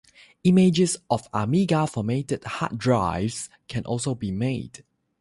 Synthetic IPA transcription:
imed͡ʒəsɔfamiɡafɔmetəd̥ha̰t̚dɹaɪvs | kʰɛ̃nʔɔ̰lsobimed̥

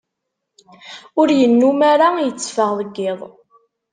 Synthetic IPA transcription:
ʊɾjənːumaɾajət͡sːfəʁðˤəɡːɪðˤ

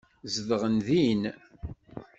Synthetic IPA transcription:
zəðəʁənðin

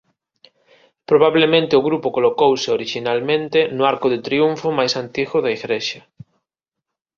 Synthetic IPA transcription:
pɾoβ̞aβlemẽnt̪eoɣɾupʊkolokowseoɾiʃinalmẽnt̪enʊaɾkʊðet̪ɾiuɱfomajsant̪iɣʊðaiɣɾeʃɐ

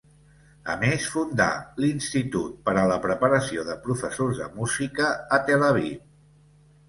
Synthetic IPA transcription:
ə̰mesfund̪a̰linst̪it̪ut̪̚pəɾələpɾəpəɾəsioðəpɾufəsozðə̰muzikəːt̪ələβ̞ḭ

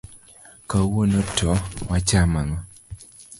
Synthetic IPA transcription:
kawonotʰɔwat͡ʃamaŋɔ

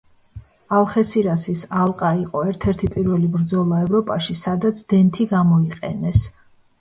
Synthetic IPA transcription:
alˠχɛsiɾasisalˠqʼaiqʼɔɛɾt̪ʰɛɾt̪ʰipʼiɾvɛlibɾd̪zɔlˠaɛvɾɔpʼaʃisad̪at̪sʰd̪̥ɛnt̪ʰiɡamɔiqʼɛ̰nɛs

